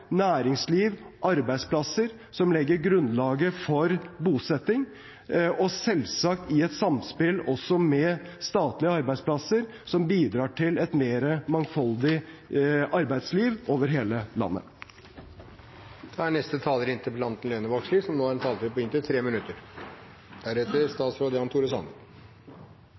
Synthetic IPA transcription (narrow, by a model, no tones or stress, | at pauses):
næːɾɪŋsliːʋʔɑɾbæɪspʰlɑsəɾ | sɔmlɛɡːəɾɡɾʉnd̪lɑːɡəfɔɾbuːsɛt̪ːɪŋ | ʔɔsɛlsɑk̚t̪ɪɛt̪sɑmspɪlɔsɔmɛst̪ɑːt̪lɪəɑɾbæɪspʰlɑsəɾ | sɔmbiːd̪ɾɑːʈʰɪlɛt̪meːɾəmɑŋfɑld̪ɪ | ʔɑɾbæɪd̪sliːʋoːʋəɾɦeːləlɑ̰nːə̰ | d̪̥ɛæɳɛst̪ət̪ʰɑːləɾɪnt̪ʰəpʰlɑnt̪n̩lœnəʋɑksliːsɔmnoːæɾɛnt̪ʰɑːlt̪ɪlpɔɪnt̪ət̪ʰɾeːmɪnʉt̪əɾ | d̪̥æɾɛt̪əɾst̪ɑːt̪sɾoːd̪əɑnt̪ʰuːɾəsɑ̰nd̪əɾ